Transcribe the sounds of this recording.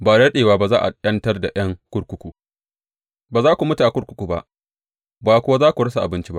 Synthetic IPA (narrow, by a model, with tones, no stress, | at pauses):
baː˨dɐ˦ɗeː˨waː˦ba˨zaː˦ʔa̰˨ɗʲɐ˦ntɐ˦rda˨j̰ɐ˦ŋkʷʊ˦ɽkʷʊ˦kʷu˨ | baː˨zaː˦kʷu˨mʊ˦ta˨a˨kʷʊ˦ɾkʷʊ̥˦kʷu˨ba̰˦ʔ | baː˨kʷʊ˦wa˦zaː˦kʷu˨ɽɐ˦sa˨ʔa˨bɪ˦nt͡ʃi˦ba̰˦ʔ